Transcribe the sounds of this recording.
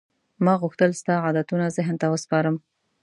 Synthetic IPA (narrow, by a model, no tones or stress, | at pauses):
mɑɣuxt̪əlst̪ɑʕɑd̪at̪unazɪɦnt̪awəspɑɾəm